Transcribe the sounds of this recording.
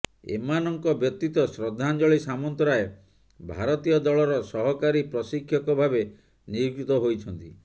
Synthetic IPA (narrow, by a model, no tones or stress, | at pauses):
ḛmanɔŋkɔbjɔk̚t̪it̪ɔsɾɔd̪ʱːand͡ʒɔɭisamɔnt̪ɔɾae | bʱaɾɔt̪ijɔd̪ɔɭɔɾɔsɔɦɔkaɾipɾɔsikʰːjɔkɔbʱabe | niuɡit̪ɔɦojt͡ʃʰɔnt̪i